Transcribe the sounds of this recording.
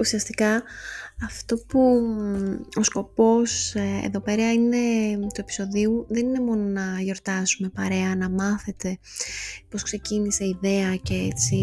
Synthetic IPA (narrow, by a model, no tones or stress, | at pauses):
usiɐst̪ikɐː | ft̪o̞pu | o̞sko̞po̞sḛðo̞pe̞ɾɐine̞t̪ue̞pi̥so̞ðiuðe̞nine̞mo̞no̞nɐʝo̞ɾt̪ɐsume̞pɐɾe̞ɐnɐmɐθe̞t̪e̞ | po̞skse̞cinise̞iðe̞ɐceet͡si